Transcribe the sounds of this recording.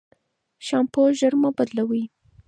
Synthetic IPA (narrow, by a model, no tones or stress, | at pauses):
ʃɑmpoʒəɾmabad̪lawi